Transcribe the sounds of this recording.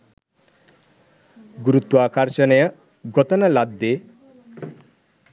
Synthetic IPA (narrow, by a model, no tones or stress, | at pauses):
ɡuɾut̪waːkʰaɾsɐnɐjʌ | ɡɔt̪ɐnɐlad̪ːe